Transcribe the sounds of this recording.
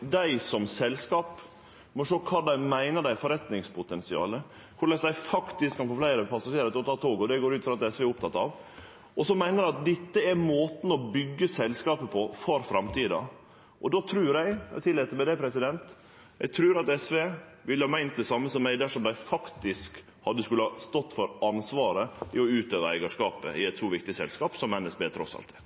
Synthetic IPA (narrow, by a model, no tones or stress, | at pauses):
d̪æɪsɔmsɛlskɑːp | mɔʂoːkʰɑːd̪æɪmæɪnəɖ̪æɪfɔɾɛt̪nɪŋspʰʊt̪ɛnsɪɑ̰ːlə | kʰʊɾlæsd̪æɪfɑkt̪ɪskʰːɑnfɔflæɪɾəpʰɑsɑʂeːɾɑt̪ɔt̪ʰɑːt̪ʰoːɡɔd̪ɛɡoːɾʉːt̪fɾɑt̪ɛsʋeːɾʊp̚t̪ʰɑt̪ːɑʋ | ɔsɔmæɪnəd̪æɪɑt̪̚d̪ɪt̪ːəɛɾmoːt̪n̩ɔbʏɡːəsɛlskɑːpəpʰɔfɔɾfɾɑmt̪ʰiːd̪ɑ̰ | ʔɔd̪ot̪ʰɾʉːɾæɪɛt̪ʰɪlːɛːt̪əmɛd̪ɛpʰɾɛsɪd̪ɛnt̪ | jɛ̰ɪɡt̪ʰɾʉːɾɑt̪ɛsʋeː | ʋɪlːəhɑːmæɪnt̪̚d̪ɛsɑmːəsɔmːæɪd̪æʂɔmd̪æɪfɑkt̪ɪsk | hɑd̪ːəskʉlːəhɑst̪ɔt̪ːfɔɾɑnsʋɑːɾəɪɔʉːt̪øːʋəɾæ̰ɪɡəʂkɑːpə̰ʔɪɛt̪sɔːʋɪkt̪ɪsɛ̰lskɑːpsɔmːɛnːɛsbeːt̪ʰɾɔsɑ̰lt̪